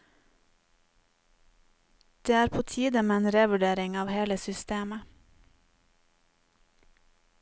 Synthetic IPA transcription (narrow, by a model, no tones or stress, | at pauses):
d̪̥eːæːɾpʰoːt̪ʰiːd̪əmeːeːnɾeːʋʉɖeːɾɪŋɑːʋheːləsʏst̪eːmə